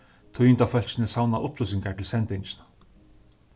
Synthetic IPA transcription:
t̪ʰujɪnt̪awfœl̥t͡ɕɪnɪsawnaʔʊplus̬ɪŋkaʈ̪ʰɪlsɛnt̪ɪɲt͡ʃɪnḁ

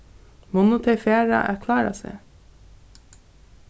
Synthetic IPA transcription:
mɔnʊt̪ʰɛfeːɾɑ̰ʔæɾkʰlɑːɾɑ̰sḛ

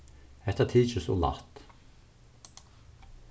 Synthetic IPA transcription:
ɛt̪ət̪ʰiːt͡ʃəsɔ̰ːla̰t̪

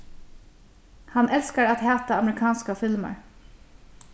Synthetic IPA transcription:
hanʔɛlskaɾat̪hæːt̪aːmɾɪkʰɑːnskafɪlma̰ɹ

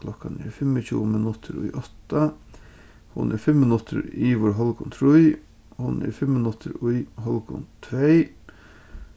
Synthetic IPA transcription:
kʰlɔkanɛ̰ɹfɪmːət͡ʃʰṵːmɪnʊt̪ʰɪɾʊ̰jʔɔt̪a | hʊ̰nʔɛɹfɪmmɪnʊt̪ʰɪɾiʋɔɹɦɔlkʊnt̪ʰɾʊj | hʊnɛ̰ɾfɪmːɪnʊt̪ʰɪ̰ɾʊjɦɔlkʊ̰nt̪ʰɾɛj

